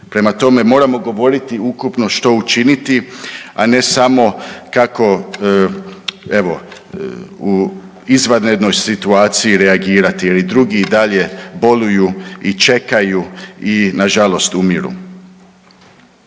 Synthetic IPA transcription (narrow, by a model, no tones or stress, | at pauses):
pɾe̞mat̪o̞me̞mo̞ːɾamo̞ɡo̞ʋo̞ɾit̪iukupno̞ʃt̪o̞ut͡ʃinit̪ia̰ne̞samo̞kako̞ | e̞ʋo̞ | u | izʋad̪ned̪no̞jsit̪uaːt̪siiɾe̞aɡiːɾat̪ijelid̪ɾuɡiid̪aʎe̞bo̞lujuit͡ʃe̞kajuinaʒalo̞st̪umiɾṵ